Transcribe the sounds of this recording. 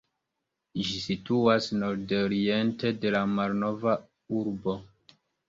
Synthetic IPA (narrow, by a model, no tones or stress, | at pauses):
ʒisituasno̞ɾdoɾie̞nte̞de̞lamalno̞va | uɾbo̞